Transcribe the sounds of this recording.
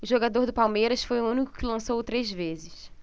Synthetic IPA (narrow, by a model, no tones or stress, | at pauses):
ʊʒoɡad̪oɾd̪ʊpawmejɾɐsfojʊ̃ũnikʊ̥kɪlɐ̃sowt̪ɾezvezɪs